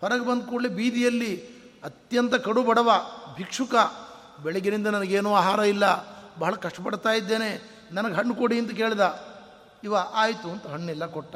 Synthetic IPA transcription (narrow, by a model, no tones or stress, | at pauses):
pʰɐɾɐɡebɐnd̪ukoɽlebiːd̪ijɐlːi | ɐt̪jɐnt̪ɐkɐɽubɐɽɐʋɐbʱikʂukɐ | bɛɭɛɡenind̪ɐnɐnɐɡeːnuːaːɦaːɾɐilːɐbɐɦɐɭɐkɐʂʈɐpɐɽt̪aːjid̪ːe̞ːne | nɐnɐɡɦɐɳːukoɽiɐnt̪ɐk̬e̞ːɭd̪ɐ | iʋɐʔaːjt̪uɐnt̪ɐɦɐɳːilːɐkɔʈːɐ